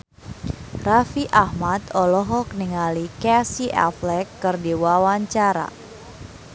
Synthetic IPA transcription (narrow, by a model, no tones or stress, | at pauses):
rafiʔahmat̪ɔlɔɦɔk̚niŋalikɛsiʔa̰flɛkːɨrdiwawaɲt͡ʃaɾa̰